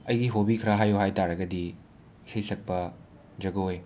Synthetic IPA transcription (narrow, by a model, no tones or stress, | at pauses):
ɐjɡiɦobikʰɐɾɐɦajoɦajtaɾɐɡɐdi | isʰɐjsɐk̚pɐ | d͡ʒɐɡooj